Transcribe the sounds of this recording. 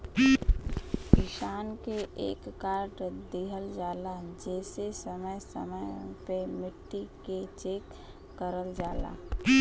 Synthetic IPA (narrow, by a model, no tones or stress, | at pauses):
kɪʃaːnkeʔḛːkːaːɾʈd̪iɦəld͡ʒaːlad͡ʒɛːsesəməjsəməjpemɪʈ̪ːiket͡ʃeːkː | əɾəld͡ʒaːla̰